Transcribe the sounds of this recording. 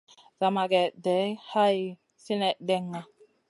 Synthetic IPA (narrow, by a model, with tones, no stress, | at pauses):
za˨ma˨ɡɛ˨dɛ˨˦ha˦j | si˦nɛ˨ʔdɛ˦ŋːa˨